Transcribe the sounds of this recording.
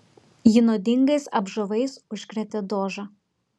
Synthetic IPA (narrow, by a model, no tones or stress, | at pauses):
jɪnoːd̪ʲɪŋɡɐsɐbʒoʋɐɪsʊʃʲkɾʲɛt̪ʲed̪oːʒɑ